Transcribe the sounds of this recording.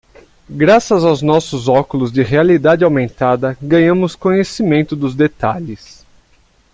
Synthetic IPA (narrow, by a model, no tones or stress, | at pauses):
ɡɾasɐzawznɔsʊzɔkʊlʊzd͡ʒɪɦealid̪ad͡ʒɪawmẽnt̪ad̪ɐɡɐ̃ɲɐ̃mʊskõɲesimẽnt̪ʊd̪ʊzd̪et̪aʎɪs